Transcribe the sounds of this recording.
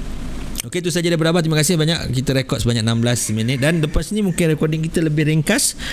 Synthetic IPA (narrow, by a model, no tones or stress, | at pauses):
oket̪us̬ad͡ʒadajpədabat̪imakasɪhbaɲaʔkit̪əɾekɔt̪səbaɲak̚namblasmənɪt̪̚danləpasnimũŋkɪnrekɔdɪŋkit̪ələbɪhɾiŋkas